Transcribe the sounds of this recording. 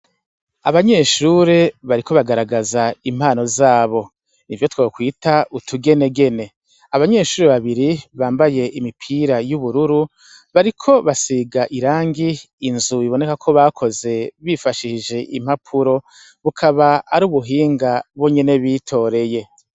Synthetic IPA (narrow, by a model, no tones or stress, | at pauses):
aβaɲe̞ʃuɾeβaɾikʰo̞βaɡaɾaɡazaim̥haːno̞zaːβo̞ | nivjo̞twaokwiːtautʰuɡe̞ne̞ɡe̞ne̞ | aβaɲe̞ːʃuːɾeβaβiɾiβaːmbaje̞ʔimipʰiːɾajuβuɾuɾu | βaɾikʰo̞βasiɡaʔiɾaːŋɡiː | nzuiβo̞ne̞kakʰo̞βaːkʰo̞ze̞βifaʃiʒe̞ʔḭm̥hapʰuɾo̞ | βukʰaβaːɾuːβuɦiːŋɡaβwo̞ɲe̞ne̞βiːtʰo̞ːɾe̞je̞